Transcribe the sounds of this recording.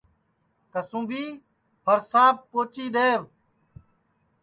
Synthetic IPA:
kəsũːbiː | pəɾsaːb̚poːt͡ʃiːd̪eːʋ

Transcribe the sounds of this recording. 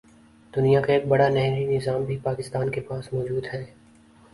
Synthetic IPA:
d̪̥ʊnijakaeːk̚bɐɽanɛɦɾinɪzaːmbʱipaːkɪst̪aːnkepaːsmɔːd͡ʒuːd̪ɦɛː

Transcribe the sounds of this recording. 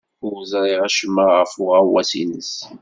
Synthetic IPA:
ʊɾzˤɾˤiʁæʃəmːaʁəfʊʁæwæsḭnəs

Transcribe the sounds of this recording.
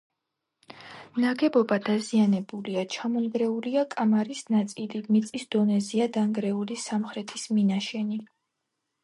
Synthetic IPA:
naɡɛbɔbad̪azianɛbuliat͡ʃʰamɔŋɡɾɛuliakʼamaɾisnat̪sʼilimit̪sʼisd̪̥ɔnɛziad̪aŋɡɾɛulisamχɾɛt̪ʰisminaʃɛni

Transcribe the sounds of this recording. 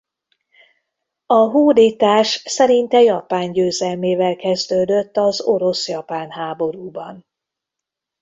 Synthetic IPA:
ɒɦuːd̪it̪aːʃsɛɾint̪ɛjɒpaːɲɟøːzɛlmeːvɛlkɛzd̪øːd̪øt̪ːɒzo̞ɾo̞sjɒpaːnɦaːbo̞ɾuːbɒn

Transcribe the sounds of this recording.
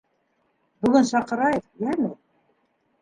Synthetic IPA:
bɵ̆ɡɘnsɑqɤ̆ɾɑjɤðjæmɘ

